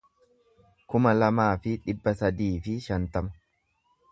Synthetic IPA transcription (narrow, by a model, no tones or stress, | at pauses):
kʊmɐlɐmaːfɪᶑɪbːɐsɐd̪iːfɪʃɐnt̪ɐmɐ̥